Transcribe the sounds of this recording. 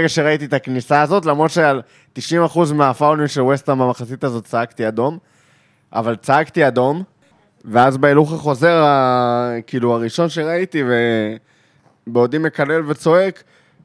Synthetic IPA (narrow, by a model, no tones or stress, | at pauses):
eɡaʃe̞ʁait̪it̪aknisaːzo̞t̪lamʁo̞dʃeal | t̪iʃimaχuzmeafawniʃelwest̪amamaχasit̪azo̞tt͡saakt̪iado̞m | ʔa̰valt͡saakt̪iado̞m | veazbeiluχaχo̞ze̞ʁa | kiːluaʁiʃo̞nʃeʁait̪ive | beodime̞kale̞lvet͡so̞ek